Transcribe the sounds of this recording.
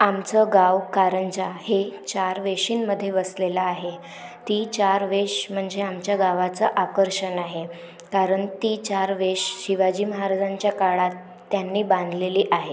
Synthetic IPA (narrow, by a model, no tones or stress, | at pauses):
amt͡səɡawkaɾənd͡ʑahet͡ɕaɾʋeʂiːnməd̪ʱːjeʋəslelaːɦe | t̪it͡ɕaɾʋeɕm̤əɳd͡zeamt͡ɕjaɡaʋat͡səʔakəɾʂənaɦe | kaɾəɳt̪iːt͡ɕaɾʋeɕɕiʋad͡ʑiːməɦaɾad͡zãɲt͡ɕjakaɭat̪ː | janːiːbãnd̪ʱleliːʔaɦe